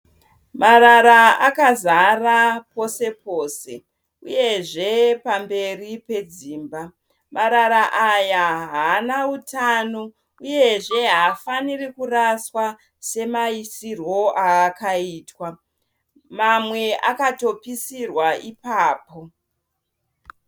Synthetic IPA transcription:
maɾaɾaakazarapo̞se̞poːse̞̰ | uje̞ʐe̞pambe̞ripe̞d͡ziːmba | mʔaɾaɾaʔajaɦanautano̞ | uje̞ʐe̞ɦafanirikuraswa | se̞maisirwo̞ʔaːkaiːtwa | mamwe̞ʔakato̞pisirwaipaːpo̞

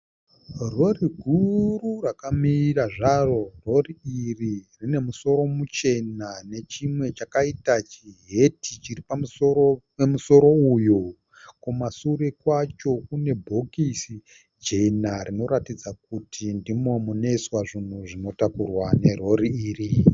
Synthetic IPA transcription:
ro̞riɡʱururakamiːraʐaro̞ro̞riiririne̞muso̞ɾo̞mut͡ʃe̞nane̞t͡ʃimwe̞t͡ʃakaitat͡ʃiɦe̞tit͡ʃiripamuo | emuso̞ɾo̞ujo | kumasuɾekwat͡ʃo̞kune̞bʱo̞kisi | d͡ʒe̞narino̞ɾatid͡zak̚utʰindimo̞mune̞swaʐin̤uʐino̞takurwane̞ro̞riiːri

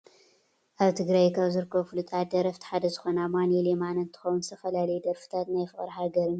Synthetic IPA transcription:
ʔaβt̪ʰɨɡɾajkʰaβzɨɾkʰːɐβfɨlut̪ʼat̪̚d̪ɐɾɐft̪ʰħad̪ɐzɨxonamanelemanɨnt̪ʰɨ̥xɐwunzst̪ʰɐfɐlalɐjud̪ɐɾfɨ̥t̪ʰat̪najfɨχʼɐɾħaɡɐɾɨn

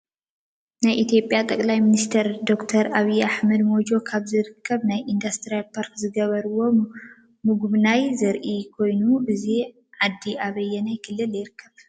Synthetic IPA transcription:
najʔit̪ʰjo̞pʼjat̪ʼɐkʼlajminist̪ʰɐɾd̪o̞kt̪ʰɐɾaβiʔaħmɐd̪mo̞d͡ʒo̞kʰaβzɨɾɨkʰːɐβnajʔind̪ast̪ʰɾijalpʰaɾkzɨɡɐβɐɾɨwo̞ | mɨɡuβnajzɐɾʔikʰo̞jnuʔɨzi | ʕad̪ːiʔaβɐjːɛnajkʰɨlːɨljɪɾɨkʰːɐβ

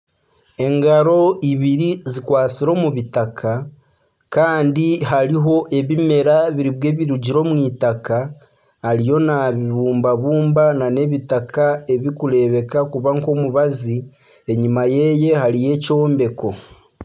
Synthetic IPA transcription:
e̞ŋɡaɾo̞iβiɾizikwaːt͡siɾo̞muβitakʰa | kaːndiɦaɾiɦo̞ʔe̞βime̞ɾaβiɾiβwe̞ːβiɾuɟiɾo̞ːmwiːtakaː | ɾijo̞naβiβuːmbaβuːmbanane̞βitakʰae̞βikuɾe̞βe̞kakuβaŋko̞muβazi | e̞ɲimaje̞je̞haɾije̞co̞ːmbe̞ko̞

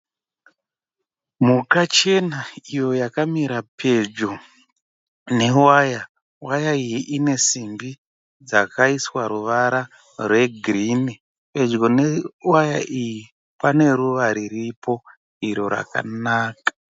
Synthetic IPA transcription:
mukat͡ʃe̞naijo̞jakamiɾapʰe̞d͡ʒo | ne̞waja | wajaijiʔine̞simbi | d͡zakʰaiswaɾuʋaɾa | rwe̞ɡʱrini | pe̞d͡ʒɡo̞newajaʔiji | pane̞ɾuʋaɾiripʰo̞ | iɾo̞ɾa̰ka̰naːkḁ

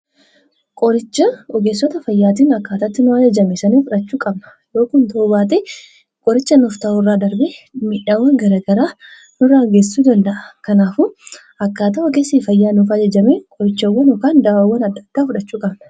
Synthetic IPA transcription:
kʼɔɾɪt͡ʃːɐɔɡeːsːɔt̪ɐfɐjːaːt̪iːnɐkːaːt̪ɐt̪ːɪnʊɐd͡ʒɐd͡ʒɐmesɐniːfʊᶑɐt͡ʃːuːkʼɐbnɐ̥ | jo̞ːkʊnt̪oːbaːt̪ʼɪ | kʼɔɾɪt͡ʃːɐnʊft̪ɐuːrːaːd̪ɐɾbɪmɪːᶑaːwːɐŋɡɐɾaːɡɐɾaː | nʊrːaɔɡeːsuːd̪ɐnd̪ɐʔɐ̥kɐnaːfʊ | ɐkːaːt̪ɐɔɡeːsiːfɐjːaːnʊfɐd͡ʒɐd͡ʒɐmeːkʼɔɾɪt͡ʃːɐwːɐnɔkaːnd̪ɐawːɐnɐd̪ːɐ̥d̪̥ːaːfʊᶑɐt͡ʃːuːkʼɐbnɐ̥

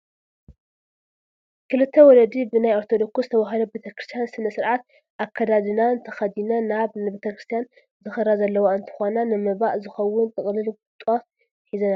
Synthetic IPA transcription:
kʰɨlɨt̪ʰːɐwɔlɐd̪ibɨnajoɾt̪ʰo̞d̪o̞ksuzɨt̪ʰɐβaɦɐlobet̪ʰɐkɾɨst̪ʰjansɨnɐsɨɾʕat̪ | ʔakʰːɐd̪ad̪ɨnant̪ʰɐxɐd̪inanaβnɨbet̪ʰɐkɾɨst̪ʰijan | zɨxɨɾazɐlːɐwaɨnt̪ʰɨ̥xonanɨmɨbaʔzɨxɐwːʊnt̪ʼɨkʼlɨlɡut̪ʼot̪ | ħizɐna

